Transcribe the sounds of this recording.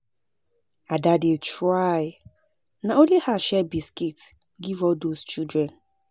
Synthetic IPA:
adadet͡ʃɹaj | naonlihaʃɛbiskit | ɡivɔldost͡ʃildɾɛ̃n

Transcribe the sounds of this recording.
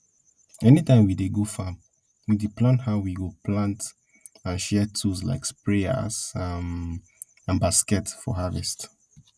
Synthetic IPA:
ɛnitãɪ̃mwideɡofa | wideplãnthaʊwiɡopʰlãnt | ãnʃɛtʰusla̰ɪkspɹeə̰zam | ãnbaskɛtfɔ̰ɦavɛ̰st

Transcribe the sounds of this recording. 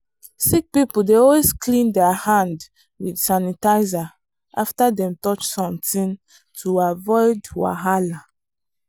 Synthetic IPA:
sik̚pipuldeɔlweskʰlĩndɛəhãnd | wid̥sanitaɪza | ʔaftadɛ̃mtɔt͡ʃsɔ̃mtĩn | tʰuavɔɪdwa̰ɦala

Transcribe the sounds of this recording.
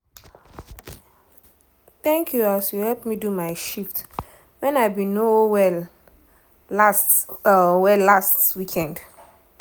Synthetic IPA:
θɛ̃ŋkʰjuasjuhɛlpmidumaɪʃift | wɛ̃naɪbĩnowɛl | asɔwɛlːastwikʰɛ̃nd

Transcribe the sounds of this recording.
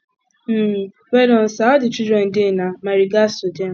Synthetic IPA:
m̩ | wedɔn̩saɔdɪt͡ʃudɾɛn̩dɪnamaɾiɡasʊde

